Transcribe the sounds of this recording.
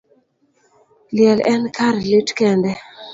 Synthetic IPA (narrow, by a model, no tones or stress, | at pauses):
ljɛlʔɛnkʰaɾlitkɛndɛ